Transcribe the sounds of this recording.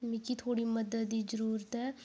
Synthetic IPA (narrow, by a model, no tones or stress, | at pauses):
mikit̪ʰoːɽiːməd̪əd̪d̪iːzəɾuːɾət̪ɦɛː